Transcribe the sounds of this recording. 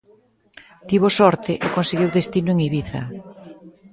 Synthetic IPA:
t̪iβosɔɾt̪ɪʔɪkonseɣiwðest̪inʊeŋiβiθɐ̰

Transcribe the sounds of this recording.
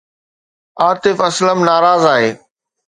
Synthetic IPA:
aːt̪ɪfɐsləmnaːɾaːzaːɦeː

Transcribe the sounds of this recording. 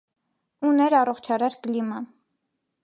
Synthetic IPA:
unɛɾɑrɔχt͡ʃʰɑɾɑɾkəlimɑn

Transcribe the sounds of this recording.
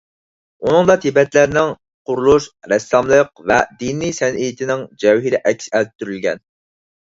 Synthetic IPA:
unɨŋd̪ɑt̪ʰibɛt̪læɾnɪŋ | qʊɾulˠuʃɾɛsːɑmlˠəqvɛ̰d̪inijsɛnʔijit̪ʰɪnɪŋd͡ʒɛwɦiɾɪʔɛkʲsælp̚t̪ʰːyɾylɡʲɛ̰n

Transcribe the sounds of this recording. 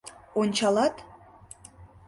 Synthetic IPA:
onʲt͡ɕɑlɑt̪

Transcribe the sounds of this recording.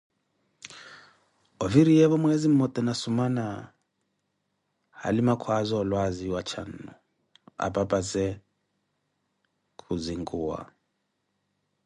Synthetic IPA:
ɔviɾijɛβɔmwɛzim̩mɔt̪ʼɛnasumana | ha̰limakʰwazɔlwaziwat͡ʃʰan̩ːɔ̰ | a̰pʼapʼat͡sɛ | kʰuziŋɡuwa̰

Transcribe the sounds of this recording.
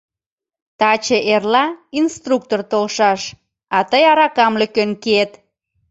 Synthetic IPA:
t̪ɑt͡ɕeʔerlɑinst̪ruk̚t̪ort̪olʃɑʃ | ɑt̪əjɑɾɑkɑmləkønket̪

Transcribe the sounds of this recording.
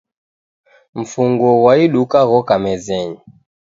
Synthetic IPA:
m̩fuŋɡɔwaiɗukaɣɔkamɛzɛɲi

